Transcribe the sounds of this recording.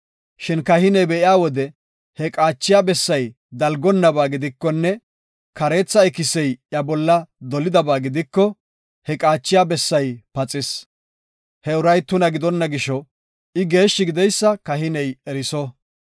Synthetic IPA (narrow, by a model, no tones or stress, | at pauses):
ʃɪnkɐhɪnɛjbɛʔɪjaːwɔd̪ɛ | hɛkʼaːt͡ʃːɪjaːbɛsːɐj | d̪ɐlɡɔnːɐbaːɡɪd̪ɪkːɔnːɛ | kɐɾe̞ːt͡sːɐɪkɪsɛjjɐbɔlːɐd̪ɔlɪd̪ɐbaːɡɪd̪ɪkːɔ | hɛkʼaːt͡ʃːɪjaːbɛsːɐjpɐt͡sʼɪs | hɛʊɾɐjt̪ːʊnɐɡɪd̪ɔnːɐɡɪʃɔ | ɪɡe̞ːʃːɪɡɪd̪ɛjsːɐkɐɦɪnɛjɛɾɪsɔ